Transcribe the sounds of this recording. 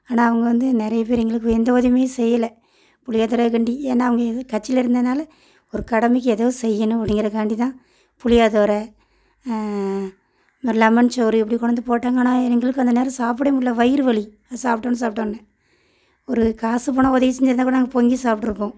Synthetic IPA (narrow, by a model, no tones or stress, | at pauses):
aːnaːɐʋɐŋɡɐʋɐnd̪ɯnɪɾɐjɐp̬eːɾɛŋɡɐɭɯk̬ːɛnd̪ɐoðɪmeːsɛjːɐlɐ | pʊlɪjaːðoːɾɐkɐɳɖieːnːaːɐʋɐŋɡɐkɐt͡ʃːɪlɐɪɾɯnd̪ɐðnaːlɐ | ɔɾɯkɐɽɐmɪk̬ːɯɛðɐʋɯsɛjːɐnɯ̃ɐpːɪɽɪŋɡɪɾɐkaːɳɖit̪ãː | pʊlɪjaːðoːɾɐ | lɐmɐnt͡ʃoɾɯɛpːɐɽikɔɽɐnd̪ɯpoːʈːaːŋɡaːnaːɛŋɡɐɭɯkːɯɐnd̪ɐneːɾɐ̃saːp̬ɯɽɐmʊɽlːɐʋɐɪɪɾɯʋɐɭi | saːpʈːoːnɯs̬aːp̚ʈːoːɳnɐ | ɔɾɯkaːsɯp̬ɔːɳɐ̃ɔðɐjɐsɛɲd͡ʒɪɾnd̪akːɽɐnaːŋɡɐpɔŋɡisaːpʈːɪɾɯpːõː